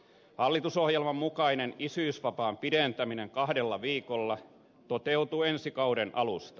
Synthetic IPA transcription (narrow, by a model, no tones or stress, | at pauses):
hɑlːit̪usohjelmɑmːukɑinenisyisʋɑpɑːmpident̪æmineŋkɑhdelːɑʋiːkolːɑ | t̪ot̪eut̪uensikɑudenʔɑlust̪ɑ̥